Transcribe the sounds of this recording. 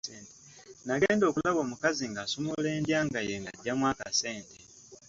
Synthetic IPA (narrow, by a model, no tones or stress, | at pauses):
eːnt | naɡeːndo̞ːkulaβo̞ːmukaziŋɡaːsomole̞ːndjaːŋɡajeŋɡaɟːamwaːkase̞ːnte